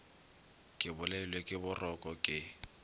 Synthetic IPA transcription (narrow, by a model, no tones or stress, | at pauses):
kʼɪbʊlɛɪlwekʼɪbʊrʔɔkʼɔkʼɪ